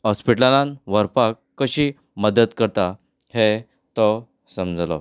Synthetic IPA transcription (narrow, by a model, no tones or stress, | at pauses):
ɦɔspiʈlalãnʋəɾpakːəɕiː | məd̪ət̪kəɾt̪a | he | t̪ɔ | səmd͡zʱlɔ̰